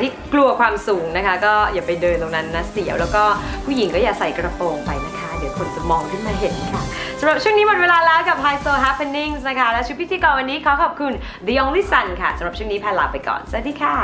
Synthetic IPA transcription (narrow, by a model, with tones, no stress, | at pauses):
t̪ʰiː˥˩klu˧ɐkʰwaː˧msu˨˩˦ŋna˦˥kʰa˦˥kɔː˥˩jaː˨˩pa˧jdɤː˧nt̪o˨˩na˦˥nːa˦˥si˩˦wlɛː˦˥wkɔː˥˩pʰuː˥˩ji˩˦ŋkɔː˥˩jaː˨˩sa˨˩˦jkɾa˧poː˧ŋpa˧jna˦˥˩kʰa˦˥di˨˩˦kʰo˧nt͡ɕa˨˩mɔː˧ŋkʰɯ˥˩nmaː˧ɦe˨˩˦n˦˩kʰa˧˩ | ssa˩˦mɾa˨˩p̚t͡ɕʰu˥˩ŋniː˦˥mo˨˩t̚weː˧laː˧lɛː˦˥wka˨˩p̚hʰaː˧jsoː˧ɦɛ˦˥pʰe˧ni˥˩ŋsna˦˥kʰa˦˥lɛː˦˥t͡ɕi˦˥wt̪ʰiː˧kɔː˧˩ŋwa˧nːiː˦˥kʰaː˦˥wkʰɔː˨˩p̚kʰu˧n | d̪i˧ʔɔ˧ŋliː˦˥sa˧nkʰa̰˥˩sa˨˦ɾa˨˩p̚t͡ɕʰu˥˩˨niː˦˥pʰɛː˧laː˧˩wpa˧jkɔ̰ː˨˩nsdiː˧kʰa˧˥˩